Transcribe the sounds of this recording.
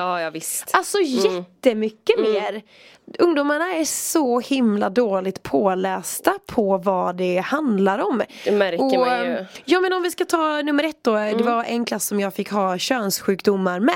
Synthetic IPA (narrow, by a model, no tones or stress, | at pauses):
ɑːjɑvɪstalsɔjɛt̪ːəmʏkːəmeːɾ | ɵŋd̪ʊmaɳaæsɔhɪmlad̪oːlɪɡ̚t̪pʰoːlɛːst̪apʰɔvad̪ɛhand̪laɾɔmmæɾɔ | jɑːmɛnɔmvɪskat̪ʰɑːnɵmːəɾɛt̪̚ːd̪ɔd̪ɛvaɾɛnkʰlasːɔmjɑːɡfɪkːhɑːɕøːnsɧʉ̟ːkd̪ʊmːaɾmɛ